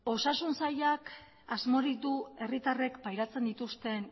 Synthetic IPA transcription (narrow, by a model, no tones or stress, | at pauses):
o̞sasunsaʎak | azmo̞ɾikd̪ue̞rit̪are̞kpajɾat͡se̞nd̪it̪ust̪e̞n